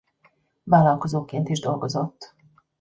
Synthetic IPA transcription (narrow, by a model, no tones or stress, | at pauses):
vaːlɒːlkozoːkeːnt̪iʒd̪o̞lɡo̞zot̪ː